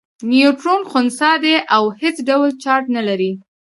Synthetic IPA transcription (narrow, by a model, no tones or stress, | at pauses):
nijuʈɾonxʊnsɑd̪eʔawhet͡sɖawlt͡ʃɑɾʈnalaɾi